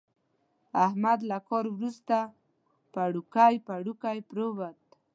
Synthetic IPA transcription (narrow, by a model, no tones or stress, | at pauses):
ahmad̪lakoɾwɾʊst̪a | paɽʊkajpaɽʊkajpɾobat̪̚